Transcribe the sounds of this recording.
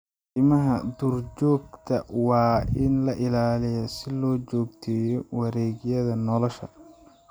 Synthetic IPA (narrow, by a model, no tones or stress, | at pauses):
ɪmɐɦɐd̪urt͡ʃɔːɡ̚t̪ʰɐwɑːɪnlɐʔɪlaːlɪjɐsɪlɔːt͡ʃɔːɡt̪ʰɛːjɔwɑɾɛːɡjɐðɐnɔlɔʃɐ̰